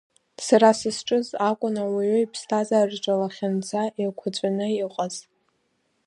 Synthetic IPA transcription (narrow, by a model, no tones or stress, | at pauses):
saɾasɨsʈ͡ʂʼɨzakʷʼʊnawaɥʏipʰstʰazarʈ͡ʂʼalaχʲand͡zʰaʔikʷʰat͡ɕʷʼanɨiqʼaz̥